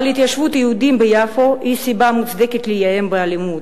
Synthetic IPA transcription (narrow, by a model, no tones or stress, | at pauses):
lit̪jaʃfut̪ijud̪imbəjafoʔisibamut͡s̪d̪ekit̪lijaembəalimu